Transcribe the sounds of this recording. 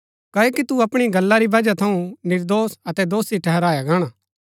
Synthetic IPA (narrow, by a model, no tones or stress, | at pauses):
kaːokit̪uɐpɽ̃iɡɐlːaɾiʋɐd͡ʒat̪ʰɐũnɪɾd̪oːsɐt̪ɛd̪oːsiʈʰɛɦɛɾaːjaɡaːɽ̃a